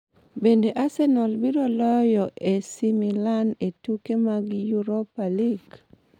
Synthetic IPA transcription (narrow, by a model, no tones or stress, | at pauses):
bendeʔasɛnɔlbiɾolɔjɔʔesimilanetukemaɡjuɾopaliɡ